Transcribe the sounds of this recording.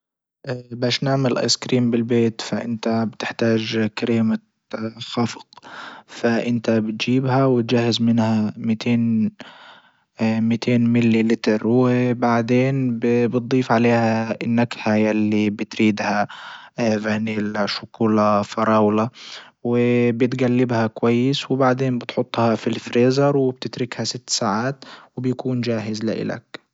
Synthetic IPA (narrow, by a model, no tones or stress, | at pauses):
ʔbaːʃnaʕmalʔa̰jskɾiːmbɪlbeːt̪faʔɪnt̪abɪt̪ɪħt̪aːʒkaɾiːma | xɑfqfaʔɪnt̪abɪt̪d͡ʒiːbhawɪt̪̚d͡ʒahːɪzmɪnhamɪt̪ʰeːn | mɪt̪ʰeːnmɪlːilɪt̪ɑɾwɪbaʕd̪eːnbbɨt̪̚d̪ˤiːfʕaleːhaɪnːakhajalːibɪt̪ɾiːd̪ha | vaniːlʃʊkuːlafɑɾˤɑːwla | wɪbɪt̪ɡalːɪbhakwajːɪswɪbaʕd̪eːnbɪt̪ħʊt̪ˤːhɑfilfɾeːzɑɾˤwɪb̚t̪ɪt̪ɾɪkhasɪt̪ːsaːʕaːt̪wɪbjakuːnd͡ʒaːɦɪzlɪ̰ʔɪ̰la̰k